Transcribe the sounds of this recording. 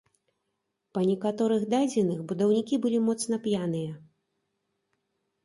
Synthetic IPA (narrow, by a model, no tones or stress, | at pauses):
pɐnʲɛkat̪ɔɾɨɣd̪ad͡zʲɛnɨxbud̪ɐwnʲikʲibɨlʲimɔt̪snɐpjan̪ɨjɐ